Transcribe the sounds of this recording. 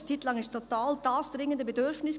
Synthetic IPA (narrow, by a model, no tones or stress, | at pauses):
t͡siːtlɑŋɪʃtʰot̪aːldaːsd̥ɾɪŋəndəbedøɾfnɪs